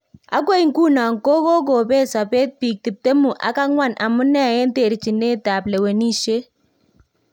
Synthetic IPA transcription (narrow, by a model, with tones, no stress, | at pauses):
a˦kwo˦i˨ŋ˦ku˦na˨ŋko˦ko˦k̬oː˨beː˦sa˨pe˦t̚piː˨k̚ti˨p̚te˦mu˨ʔa̰˨˦ka˦ŋwa˦˨nʔa̰˨mʊ˦nɛ˦˨je˦nte˨ɾt͡ʃɪ˨ne˦ta˨blɛ˨we˨ni˦ʃe˦